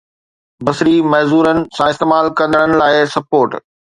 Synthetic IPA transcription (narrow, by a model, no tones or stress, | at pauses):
bɐsɾimɐɦzuːɾənɪ̆sãɪst̪eːmaːlkɐ̃nd̪əɽ̃ənɪ̆laːɪsɐpoːɾʈ